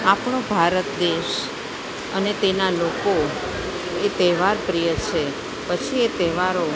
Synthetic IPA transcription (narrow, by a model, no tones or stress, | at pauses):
apɳobʱaɾət̪d̪eʃ | ənet̪enaloko | et̪ɛʋaɾpɾijət͡ʃʰe | pət͡ʃʰiet̪ɛʋaɾo